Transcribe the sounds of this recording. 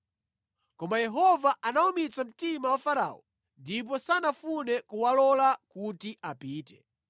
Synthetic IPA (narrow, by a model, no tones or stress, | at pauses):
kɔmajɛɦɔvaʔanaumit͡sam̩timawafaɾa̰ːɔ̰ | ndip̬ɔsanafunɛkuwalɔlakutiʔapiːtɛ